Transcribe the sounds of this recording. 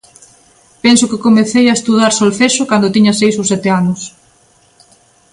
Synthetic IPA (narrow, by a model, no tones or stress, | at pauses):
pɛnsʊkɪkomeθejaest̪uðaɾsolθeʃʊkand̪ot̪iɲɐsejsosɛt̪eanʊs